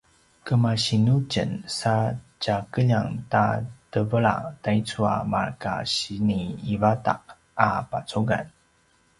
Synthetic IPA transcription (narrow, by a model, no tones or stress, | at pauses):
kəmaɕinucə̰nsa | t͡ɕakəʎaŋtatəvəɭa̰tajt͡sua̰ma̰ɭka̰ɕiniːvata̰ʔ | apat͡suɡa̰n